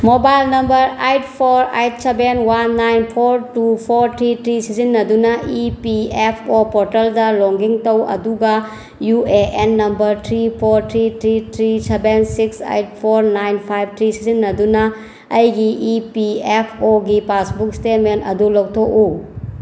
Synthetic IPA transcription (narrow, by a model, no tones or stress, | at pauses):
mobajlnɐmbɐɾajtpʰoɾa̰jt̚sebenwanːajnpʰoɾtupʰoɾtʰɾitɾisizinːɐdunɐipiepʰopɔɾtɐldɐloŋɡiŋtɐwɐ̰duɡɐ | jueʔenːɐmbɐɾtʰɾipʰoɾtʰɾitʰɾitʰɾisebensiksa̰jt̚pʰoɾnajnpʰajb̚t̪ʰɾisizinːɐdunɐː | jɡiʔipiepʰoɡipasbukstet̚mentɐdulowtʰoku